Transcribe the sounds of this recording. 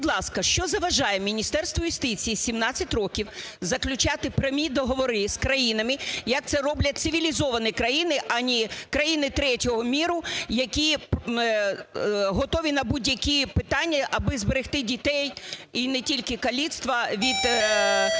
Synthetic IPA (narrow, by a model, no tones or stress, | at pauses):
bʊd̪lˠɑskɐʃt͡ʃɔzɐʋɐʒɑjemʲinʲist̪ɛrst̪ʋɔjʊst̪ɪt͡sʲijːsʲimnɑt͡sʲːɐtʲrɔkʲiwzɐklʲʊt͡ʃɑt̪ɪpɾemʲid̪ɔɦɔʋɔɾɪskɾɐjinɐmɪjɐk̚t̪sɛɾɔblʲɐt̚ʲt̪sɪʋʲilʲizɔʋɐnɪkɾɐjinɪʔɐnʲikɾɐjinɪt̪ɾɛtʲɔɦɔmʲiɾʊjɐkʲip | ɦɔt̪ɔʋʲinɐbudʲjɐkʲipɪt̪ɑnʲːɐʔɐbɪzbeɾɪxt̪ɪdʲit̪ɛjinɛtʲilʲkɪkɐlʲit̪st̪ʋɐʋʲid̪